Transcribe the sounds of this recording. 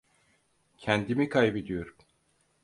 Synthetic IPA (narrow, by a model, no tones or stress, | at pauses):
cʰɛnd̪imikʰajbed̪ijoɾ